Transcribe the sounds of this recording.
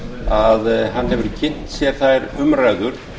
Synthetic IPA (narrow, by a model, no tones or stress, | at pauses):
aðɦanːɦɛvʏɾcʰɪn̥t̪sjɛɾ̥θajɾʏmɾajɣʏɾ